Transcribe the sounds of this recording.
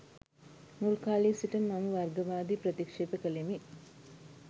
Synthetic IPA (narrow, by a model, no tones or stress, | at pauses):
nulkaːliːsiʈəmːɐmuʋɐrɡɐʋaːd̪ipɾɐt̪ikʂeːpəkəlemi